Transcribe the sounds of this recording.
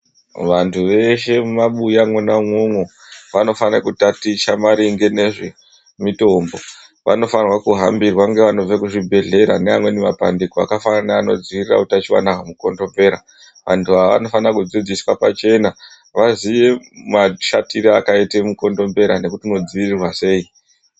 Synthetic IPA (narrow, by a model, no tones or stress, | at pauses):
ʋantʰuʋe̞ʃe̞mumaɓujamwonamwoŋwo | ʋano̞fanakutatiʃamaɾiŋɡe̞neʐe̞ | mito̞ːmbo̞ | ʋa̰no̞fanrwakuɦambirwaŋɡe̞ʋano̞b͡vekuʐibʱe̞ɮe̞ɾaneamwe̞nemapa̰ndikoa̰kafananaːno̞̰d͡ziirira̰utat͡ʃiwa̰naɦamuko̞ndo̞mbe̞ɾa | ʋantʰuaaʋa̰no̞fanrakud͡zid͡ziswapat͡ʃe̞na | ʋaziʋe̞maʃatiɾeakaitemuko̞ndo̞mbe̞ɾane̞kutino̞d͡ziirirwase̞ːi